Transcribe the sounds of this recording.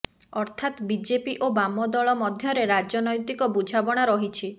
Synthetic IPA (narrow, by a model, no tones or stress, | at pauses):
ɔɾt̪ʰat̪bid͡ʒepiʔobamɔd̪ɔɭɔmɔd̪ʱjɔɾeɾad͡ʒɔnɔjt̪ikɔbud͡ʒʱabɔɽ̃aɾɔɦit͡ʃʰi